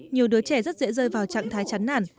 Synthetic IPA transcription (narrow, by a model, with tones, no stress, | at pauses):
ɲi˨˩əwɗɨ˨˦ət͡ɕɛ˧˩zə˦˥t̚zɛ̰˧˥zəː˧jvaː˨˩wt͡ɕa̰ː˧˨ŋt̪ʰaː˨˦jt͡ɕa˨˦jnnaː˧˩n